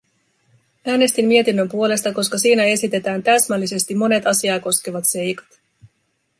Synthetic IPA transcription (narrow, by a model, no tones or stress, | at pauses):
æːne̞st̪imːmiet̪inːømpuo̞le̞st̪ɑko̞skɑsiːnæe̞sit̪e̞t̪æːnt̪æsmælːise̞st̪imːo̞ne̞t̪ɑsiɑːko̞skeʋɑt̪se̞jkɑ̥t̪